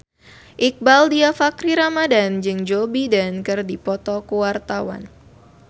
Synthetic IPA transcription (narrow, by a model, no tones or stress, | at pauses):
ʔik̚baldiafakɾiɾamadand͡ʒɨŋd͡ʒobidankɨrdipɔt̪ɔkuwart̪awa̰n